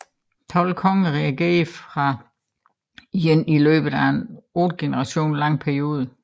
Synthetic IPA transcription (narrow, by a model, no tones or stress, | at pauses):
t͡sʰɒ̽l̰kʰɒ̽ŋəʁɛæɡ̥e̝̰ɐfʁɑ̈ | jenilø̰ːb̥ð̩ˠæe̝no̰ːd̥̚ɡ̥e̝nəʁɑ̈ɕo̝̰ːnlɑ̈ŋ̰pʰæɐio̝ːð̞ˠə